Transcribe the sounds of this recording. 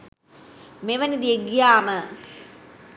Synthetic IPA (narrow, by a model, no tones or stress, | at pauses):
meʋɐnid̪ieɡjaːmə